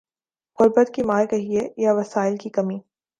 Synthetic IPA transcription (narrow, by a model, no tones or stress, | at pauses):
ɣʊɾbət̪kimaːjkɐɦiejaʋɐsaːɪlkikɐmiː